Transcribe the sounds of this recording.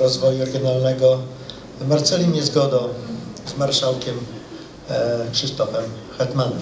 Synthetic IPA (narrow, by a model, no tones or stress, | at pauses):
ɾɔzvɔjuɾɛɡʲjɔnalnɛɡɔ | vmaɾt̪sɛlʲimʲɛzɡɔd̪ɔ̃zmaɾʂawkʲɛm | kʂɘst̪ɔfɛmxɛt̪manɛm